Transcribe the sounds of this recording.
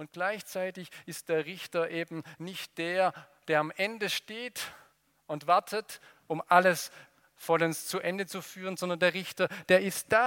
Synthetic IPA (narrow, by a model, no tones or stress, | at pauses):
ʊnt̚ɡ̥laɪçt͡saɪtɪçɪstd̥eːɐʁɪçtɐʔeːbm̩nɪçt̚d̥eːɐ | d̥eːɐamʔɛndəʃteːt | ʊntv̥aɐtʰət | ʔʊmʔaləs | fɔlənst͡suʔɛndət͡sufyːʁ̞ənzɔndɐ̃ndeːɐʁɪçtɐd̥eːɐɪst̚d̥a